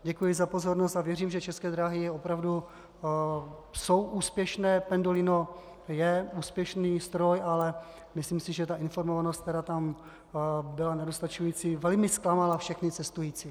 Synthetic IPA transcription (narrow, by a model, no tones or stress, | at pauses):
ɟɛkujɪzapo̞zo̞ɾnost̪avjɛriːmʒɛt͡ʃɛskɛːd̪ɾaɦɪjɛopɾavdu | so̞wʔuːspjɛʃnɛːpɛndolɪno | jɛuːspjɛʃniːst̪ɾo̞jalɛ | mɪslimsɪʒɛt̪aʔɪnfo̞ɾmovanost̪̚t̪ɛɾaːt̪am | bɪlanɛdost̪at͡ʃujiːt͡sivɛlmɪsklamalafʃɛxnɪt͡sɛst̪ujiːt͡si